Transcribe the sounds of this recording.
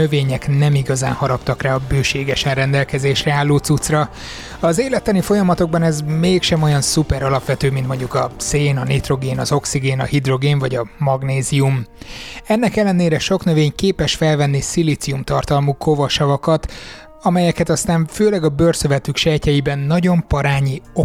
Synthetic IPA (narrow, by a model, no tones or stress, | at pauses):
øveːɲɛknɛmiɡɒza̰ːnhɒɾɒpt̪ɒkraːɒbøːʃeːɡɛʃɛnrɛnd̪ɛlkɛzeːʃrɛaːlːoːt̪sut̪srɒ | ɒzeːlɛt̪ːɛnifo̞jɒmɒt̪o̞ɡ̚bɒnɛzmeːkʃɛmo̞jɒnsupɛɾɒlɒpʋɛt̪øːmint̪mo̞ɲɟukɒseːnɒneːt̪ro̞ɡeːnɒzo̞ksiɡeːnɒ̰hid̪ro̞ɡeːnvɒɟɒmɒɡneːzium | ɛnːɛkɛlːɛneːɾɛʃo̞knøveːɲkeːpɛʃfɛlvɛnːisilit̪siumt̪ɒrt̪ɒlmuko̞vɒʃɒvɒkɒt̪ | ɒmɛjɛkɛt̪ɒst̪aːɱføːlɛɡɒbørsøvɛt̪ykʃɛjcɛjibɛnːɒɟo̞mpɒɾaːɲio